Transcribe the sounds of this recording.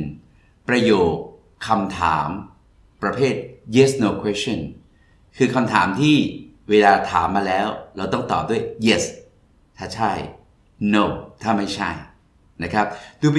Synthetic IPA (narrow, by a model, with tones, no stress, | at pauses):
n | pɾa˧joː˨˩kʰː | a˧mt̪ʰa̰ː˩˦m | pɾa˧pʰeː˥˩t̪̚je˦˥snoː˧kʰwe˦˥si˥˩˨n | kʰɯː˧kʰa˧mt̪ʰaː˩˦mt̪ʰiː˥˩ | weː˧laː˧t̪ʰaː˩˦mːaː˧lɛː˦˥wɾa˧wt̪ɔ˥˩ŋt̪ɔː˨˩p̚d̪u˥˩əjje˦˩s | t̪ʰaː˥˩t͡ɕʰa˥˩j | no˧˩wt̪ʰaː˥˩ma˥˩jt͡ɕʰa˥˩j | na˦˥kʰɾa˦˥p̚d̪uː˧p